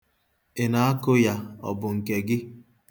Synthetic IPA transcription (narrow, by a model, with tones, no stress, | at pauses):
ɪ˨na˨˦a˦kʊ˦ja˦ɔ̰˨bʊ˨ŋ̩˨ke˨ɡɪ˦